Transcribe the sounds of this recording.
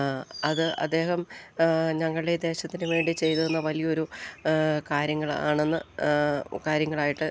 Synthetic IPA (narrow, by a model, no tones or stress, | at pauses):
ɐðɨɐ̰d̪ːe̞ːɦɐm | ɲɐŋːɐɭɨɽed̪e̞ːɕɐt̪ːinʋe̞ːɳɖit͡ɕe̞jt̪ɐðenːɐʋɐlijɐo̞ɾu | kaːɾjɐŋːɐɭa̰ːɳe̞nːɨ | kaːɾjɐŋːɐɭaːjiʈːɨ